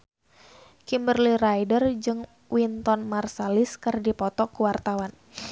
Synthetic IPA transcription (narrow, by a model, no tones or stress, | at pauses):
kimbərliɾajdərd͡ʒɨŋ | wint̪ɔnmarsaliskɨrdipɔt̪ɔkuwart̪awan